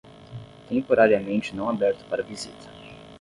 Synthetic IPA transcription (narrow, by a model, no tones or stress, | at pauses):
t̪ẽmpoɾaɾiɐmẽnt͡ʃɪnɐ̃w̃abɛɾt̪ʊ̥paɾɐvizit̪ʰɐ̥